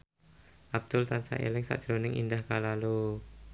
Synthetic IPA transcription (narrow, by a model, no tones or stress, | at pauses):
ʔab̚d̪̥ʊlt̪ansa̰ʔḛlɪŋsa̰ʔʒ̥ɾonɪŋḭndahkalalu